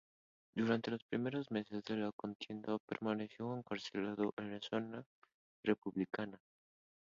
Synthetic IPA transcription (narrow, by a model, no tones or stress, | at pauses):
d̪uɾant̪e̞lo̞spɾimeɾozme̞sezðelakont̪je̞nd̪apḛɾmaneθjoeŋkaɾselað̞oʔenlasona | repuβlikana